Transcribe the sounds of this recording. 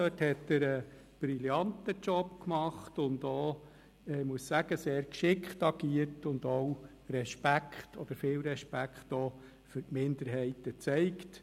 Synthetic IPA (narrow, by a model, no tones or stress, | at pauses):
øthɛtəɾə | b̥ɾiljɑntət͡ʃɔpkmɑχtʊndoː | ɛmuəssæɡ̥əseːɾkʃɪkχtɑɡ̥iəɾtʊndow | rɛʃpækχtʰɔd̥̪əɾfɪːlɾɛʃpækχtɔː | fʏɾtmɪndəɾɦɛɪtət͡sɛɪkt